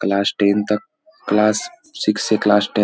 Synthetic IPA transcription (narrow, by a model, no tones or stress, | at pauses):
klaːsʈent̪ə | klaːs | sikseklasʈe